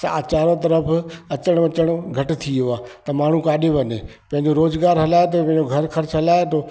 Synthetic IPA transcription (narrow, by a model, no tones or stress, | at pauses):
aːt͡ɕaːɾot̪̬ɐɾəfʰɐt͡ɕəɽ̃ʋɐt͡ɕəɽ̃ɡʱɐʈɪ̆t̪ʰioaːt̪ɐmaːɳ̤ũkaːɗeʋɐne | pɐ̃ɦɪ̃ɲd͡ʑoɾoːzɡaːɾɦɐlaːet̪̬opɐ̃ɦɪ̃ɲd͡ʑoɡʱɐɾxɐɾt͡ɕʰɦɐlaːet̪oː